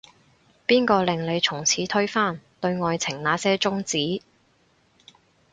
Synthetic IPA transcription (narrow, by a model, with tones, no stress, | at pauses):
piː˥nkɔː˧lɪ˨ŋle˨˧jt͡sʰʊ˨˩ŋt͡sʰiː˨˥t̪ʰɵ˥ɥfaː˥nt̪ɵ˧ɥŋɔː˧jt͡sʰɪ˨˩ŋnaː˨˥sɛː˥t͡sʊ˥ŋt͡siː˨˥